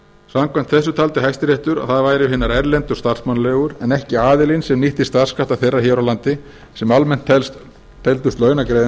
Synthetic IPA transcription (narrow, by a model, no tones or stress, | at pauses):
samkʰvajm̥t̪θɛsːʏt̪ʰalt̪ɪɦajst̪ɪɾjɛht̪ʏɾa̰θaðvaːjɾɪɦɪnːaɾɛɾlɛnt̪ʏst̪ḁsmanlɛːɣʏɾɛnɛhcɪaːðɪlinsɛmniht̪ɪ̥st̪ḁskaft̪aθejrːaçɛwɾawlant̪ɪ | sɛmalmɛn̥t̪ʰɛ | t̪ʰːɛlt̪ʏst̪lœːɥnakɾeːðɪ